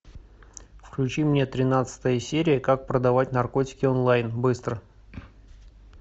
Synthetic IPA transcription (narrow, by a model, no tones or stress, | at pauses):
fklʲʉt͡ɕimnʲe̞t̪ɾʲɪnat̪sɨ̥t̪əjəsʲeɾʲɪjəkak̚pɾəd̪ɐvatʲnɐrko̞tʲɪ̥kʲɪonlˠajnbɨst̪ɾə